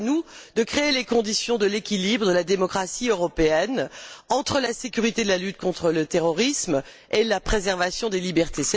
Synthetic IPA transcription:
nud̪əkχeːlekɔ̃d̪isjɔ̃d̪əlekʲilibʁədd̪əlad̪emɔkχasiøʁɔpeɛnɑ̃t̪χəlasekʲyʁit̪ed̪əlalyt̪kɔ̃t̪χələt̪eʁɔʁism | elapχezɛʁvasjɔ̃d̪elibɛʁt̪esɛ

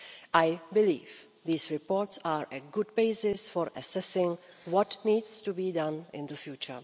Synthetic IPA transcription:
ʔajbɪlḭːf | ðiːsɹɪpoɾtsaːɹʔɛɡʊd̚beɪzɪsfɔɾʔɛsɛsɪ̃ŋ | wɔtniːdstubiːdãnɪ̃nd̪əfjuːt͡ʃə˞

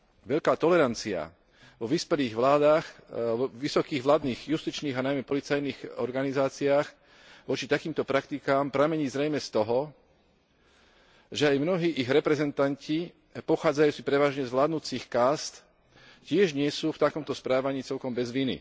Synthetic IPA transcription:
ʋɛʎkaːt̪ɔlɛɾant͡sia̰ | ʋɔʋispɛliːɣʋlaːd̪aːxʋisɔkiːɣʋlaːd̪niːɣjust̪it͡ʃniːɣanajmɛpɔlit͡sajniːɣɔɾɡanizaːt͡siaːx | ʋɔt͡ʃit̪akiːmt̪ɔpɾakt̪ikaːmpɾamɛɲiːzɾɛjmɛst̪ɔɦɔ | ʒɛajmnɔɦiːʔiɣɾɛpɾɛzɛnt̪anci | pɔxaːd͡zajuːt͡sipɾɛʋaːʒɲɛzʋlaːd̪nut͡sixkaːst̪ | cɪɛʒɲɪɛsuːft̪akɔmt̪ɔspɾaːʋaɲiːt͡sɛʎkɔmbɛzʋinḭ

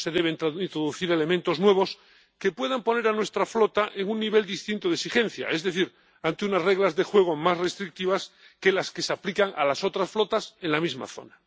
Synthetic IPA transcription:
se̞ðe̞β̞e̞nt̪ɾaint̪ɾoðuθiɾe̞le̞mẽnt̪o̞znwe̞β̞o̞s | ke̞pwe̞ðampo̞ne̞ɾanwe̞st̪ɾaflo̞t̪aʔeŋunːiβ̞e̞ld̪ist̪int̪oðeksixe̞n̟θja̰e̞zðe̞θiɾ | ant̪eunasre̞ɣlazðe̞xwe̞ɣ̞o̞masre̞st̪ɾik̚t̪iβas | ke̞laske̞saplikaŋa̰laso̞t̪ɾasflot̪ase̞nlamizma̰θo̞̰na

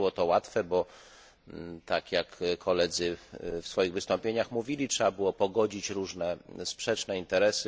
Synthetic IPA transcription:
wɔt̪ɔwat̪fɛbɔ | t̪akjakkʰːɔlɛd̪zɘfsfɔjiɣvɘst̪ɔ̃mpʲjeɲaxmuvʲilʲitʂɛbabɘwɔpɔɡɔd͡ʑit͡ɕɾuʐnɛspʂɛt͡ʂnɛint̪ɛɾɛsɘ

